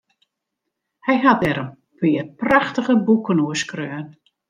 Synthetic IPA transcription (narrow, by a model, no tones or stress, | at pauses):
hɛjɦatɛɾəm | pɪəpraxtəɣəbukənuəskrøːn